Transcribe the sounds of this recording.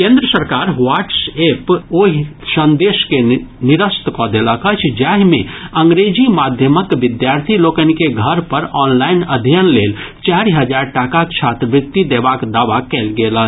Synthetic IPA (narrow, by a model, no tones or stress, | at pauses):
kẽːnd̪ɾəsəɾkaːɾʋaːʈseːpoːɦisə̃nd̪eːʃkenɪɾəst̪kɔd̪eləkət͡ʃʰd͡ʒaɦmẽə̃ŋɡɾed͡ʒimaːd̪ʱjəməkʋɪd̪jaːɾt̪ʰiloːkənkeɡʱəɾpəɾɔːnlaːɪnəd̪ʱjənleːlt͡ʃaːɾiɦəd͡ʒaːɾʈaːkat͡ʃʰaːt̪ɾəʋɪt̪ːid̪eːbakd̪aːʋakɛːlɡeːlə